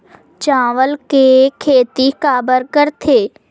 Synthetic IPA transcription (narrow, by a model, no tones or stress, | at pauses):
t͡ʃãːʋəlkekʰeːt̪ikaːbəɾkəɾt̪ʰeː